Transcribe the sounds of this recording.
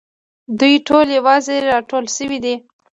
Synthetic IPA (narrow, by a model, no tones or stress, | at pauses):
d̪ujʈoljewɑzeɾɑʈolʃəwid̪i